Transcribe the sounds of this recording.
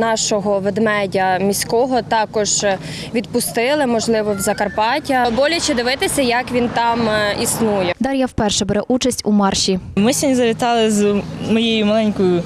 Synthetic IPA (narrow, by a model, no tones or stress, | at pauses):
nɑʃɔɦɔʋed̪mɛdʲɐmʲisʲkɔɦɔt̪ɑkɔʒ | ʋʲid̪pʊst̪ɪlˠɪmɔʒlˠɪʋɔwzɐkɐrpɑtʲɐbɔlʲɐt͡ʃɪd̪ɪʋɪt̪ɪsʲɐjɐkʋʲint̪ɑmisnujɛd̪ɑɾʲjawpɛrʃɛbɛɾɛʔut͡ʃɐsʲtʲumɑrʃʲimɪsʲɐnʲizɐʋʲit̪ɑlˠɪzmɔjejʊmɐlˠɛnʲkɔjʊ